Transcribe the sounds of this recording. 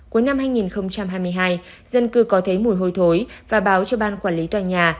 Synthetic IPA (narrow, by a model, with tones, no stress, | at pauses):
ku˨˦jna˧mhaː˧jŋi˨˩nxə˧wŋ͡mt͡ɕa˧mɦaː˧jmɨ˧əjɦaː˧j | zə˧nkɨ˨˦kɔ˨˦t̪ʰə˨˦jmu˧˩jɦo˧˩jt̪ʰo˨˦jvaː˨˩ɓaː˨˦wt͡ɕɔ˧ɓaː˧nkwaː˧˩li˨˦t̪waː˨˩ɲaː˨˩